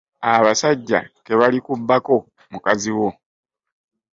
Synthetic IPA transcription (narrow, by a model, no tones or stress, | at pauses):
aβasaɟːa̰ke̞βalikubːako̞ | mukaziwo̞